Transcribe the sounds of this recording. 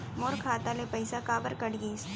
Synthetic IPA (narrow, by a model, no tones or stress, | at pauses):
mʊɾkʰːaːt̪alepɐɪsakaːbəɾkɐɽɡiːs